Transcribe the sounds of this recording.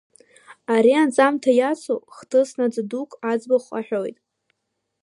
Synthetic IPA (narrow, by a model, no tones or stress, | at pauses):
aɾiand͡zʼamtʰajat͡sʰo̰χtʰɨsnad͡zdukʷʼad͡zbaχʷa̰ħᶣojtʼ